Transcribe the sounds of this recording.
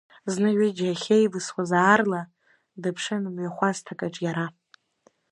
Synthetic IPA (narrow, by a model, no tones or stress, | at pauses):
znɨʕʷɪd͡ʒaχʲejvɨswazaːrla | dɨpʰʂɨnɨmɥaχʷaztʰakʼaʈ͡ʂʼjaɾa